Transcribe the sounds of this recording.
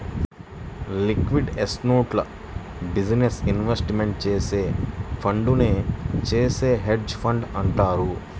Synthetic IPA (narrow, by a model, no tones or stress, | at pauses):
likʋiɖesnoːʈlɐ | bid͡ʒnesinʋesʈimeɳʈ̚t͡ʃe̞ːse̞ːpʰɐɳɖuneːt͡ʃeːse̞ːɦeɖd͡ʒpʰɐɳɖɐɳʈaːɾu